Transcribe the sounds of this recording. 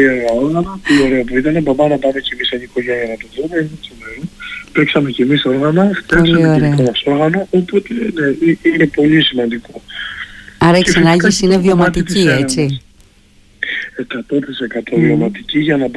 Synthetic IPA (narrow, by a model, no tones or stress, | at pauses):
ieɣɐo̞ɾɣɐnɐpolio̞ɾe̞ɐpuit̪ɐne̞bɐbɐnɐpɐme̞ce̞miseniko̞ʝeniɐnɐt̪oðumeinet̪omeɾopeksɐme̞ce̞miso̞ɾɣɐnɐft̪iɐoslsɐieoeliekomɐso̞ɾɣɐno̞ʔopot̪eneiine̞po̞lisimɐnd̪iko | ɐɾɐiksɐnɐɲɟisinevio̞mɐt̪it̪cie̞t͡si | e̞kɐt̪o̞t̪ise̞kɐt̪ʰo̞vio̞mɐt̪iciʝɐnɐb